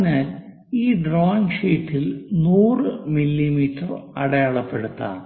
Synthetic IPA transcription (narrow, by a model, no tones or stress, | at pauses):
naːl | iːɖroːnʂiːʈːilnuːrɨmilːimiːtːɐrɐ̰ɽɐjɐɭɐpːe̞ɽut̪ːa̰ːɳ